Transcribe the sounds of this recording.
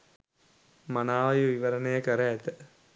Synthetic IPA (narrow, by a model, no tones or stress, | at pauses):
manaːʋɐjuʋiʋɐɾənejəkəɾəæt̪ə